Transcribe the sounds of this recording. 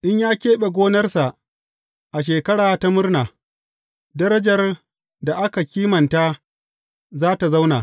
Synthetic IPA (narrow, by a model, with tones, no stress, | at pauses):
ʔɪ˦ɲjaː˦kʲeː˦ɓe˨ɡʷoː˦nɐ˦rsa˨ʔ | ʔa˨ʃ̬eː˨kɐ˦ɽaː˨ta˦mʊ˦rnaː˨ | dɐ˦ɾɐ˦d͡ʒɐ˨r | da˨ʔa˦ka˨kʲiː˦mɐ˨nta˦ | zaː˦ta˨za˦wna̰˨